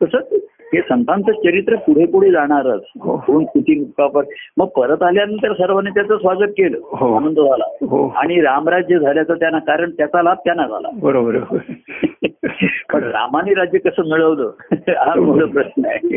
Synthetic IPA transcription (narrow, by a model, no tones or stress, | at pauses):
kəsət | ɦesənt̪ant͡sət͡ɕəɾit̪ɾəpuɽ̤epuɽ̤ed͡zaɽ̃aɾət͡sɦoouːnkit̪ʰiːmukkapəɾməɡ̚pəɾət̪aljaniːt̪jaɾasəɾʋənit͡ɕjat͡səsʋaɡəkkeɭɦoanənd̪əd͡zʱala̰ɦoa̰ɽ̃iɾamɾad͡ʑjəd͡zʱaljat͡sət̪janakaɾəɳt̪jat͡salab̚t̪janad͡zʱa̰la̰bəɾobəɾəɾ | əɳɾa̰maniɾad͡ʑjəkəsəːmiɭəʋləːamoləpɾəɕnəḛ